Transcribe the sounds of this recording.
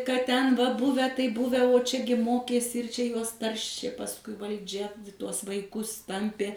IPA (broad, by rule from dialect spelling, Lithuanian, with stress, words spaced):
kɐt ˈtʲɛn ʋɐ ˈbʊʋʲɛ ˈtɐɪ ˈbʊʋʲɛ oː ˈt͡ʃʲæːɡʲɪ ˈmoːkʲeːsʲɪ ɪr ˈt͡ʃʲɛ ˈjuɔs ˈtɐrʲʃʲeː pɐsˈkʊɪ ʋɐlʲˈd͡ʒʲɛ ˈtuɔs ʋɐɪˈkʊs ˈtɐmʲpʲeː